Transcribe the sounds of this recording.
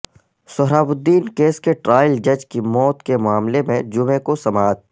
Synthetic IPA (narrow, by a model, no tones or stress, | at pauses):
sʊɦɾaːbʊd̪ːiːnkeːskeʈɾaːjəld͡ʒɐd͡ʒkimɔːt̪kemʊaːmlemẽd͡ʒʊmẽkosɐmaːd̪̚